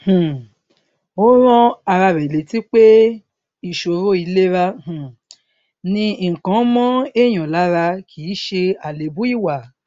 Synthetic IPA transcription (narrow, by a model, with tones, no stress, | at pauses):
hũ˨ | o˦ɾ̃ɔ̃˦a˧ɾa˧ɾɛ˨le˨˦ti˦k͡pe˦ | i˨ʃo˨˧ɾo˦i˧le˦ɾa˦h̩˨ | nĩ˧˨kã˨˦mɔ̃˦e˦˨j̃ɔ̃˨la˨˦ɾa˧kʰi˨˦ʃe˧a˨le˨˦bu˦i˦˨wa˨